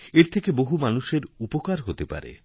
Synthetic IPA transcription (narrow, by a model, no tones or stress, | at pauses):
eɾt̪ʰekeboɦumanuʃeɾupokaɾɦot̪epa̰ɾḛ